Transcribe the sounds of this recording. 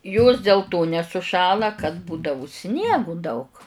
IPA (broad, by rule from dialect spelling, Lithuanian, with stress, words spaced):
joːs dʲeːlˠ toː nʲɛsʊˈʃɑːlˠɐ kɐt ˈbuːdɐʋʊ ˈsʲnʲiɛɡʊ dɐʊk